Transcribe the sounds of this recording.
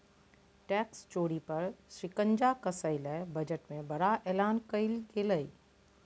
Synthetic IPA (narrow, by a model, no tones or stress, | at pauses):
ʈɛːkst͡ʃoːɽipɐɾsɾɪkə̃ɲd͡ʒakɐsəɪlɛbɐd͡ʒəʈmẽbɐɾaʔɛːlaːnkəɪlkeləiː